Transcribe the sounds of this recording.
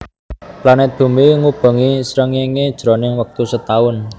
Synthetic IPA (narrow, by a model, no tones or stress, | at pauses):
planɛt̪̚b̥ṳmiŋub̥ə̤ŋisɾəŋiŋed̥ʒ̥ɾonɪŋwək̚t̪usət̪aʊn